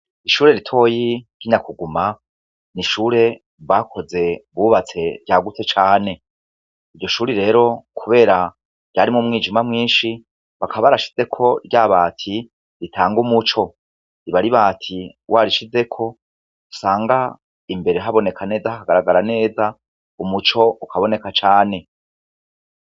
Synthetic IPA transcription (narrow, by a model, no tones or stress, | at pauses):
iʃuːɾe̞ɾitʰo̞ːjiɡiɲakuɡuma | niʃuːɾe̞ | βɡaːkʰo̞ze̞βuβat͡se̞ɾɟaːɡut͡se̞t͡ʃaːne̞ | iɾɟo̞ʃuːɾiɾe̞ːɾo̞kʰuβe̞ːɾa | ɟ̥aːɾimŋumŋiːd͡ʒimamŋiːnʃi | βakʰaβaɾaʃi̥ze̞kʰo̞ɾɟaβaːtʰi | ɾitʰaːŋɡumut͡ʃo̞ | iβaɾiβaːtʰiwʔaːɾiʃize̞kʰo̞ | usaːŋɡa | imbe̞ɾe̞ɦaβo̞ne̞kʰane̞ːzaaɡaɾaɡaɾane̞ːza | umut͡ʃo̞ukʰaβo̞ne̞kat͡ʃaːne̞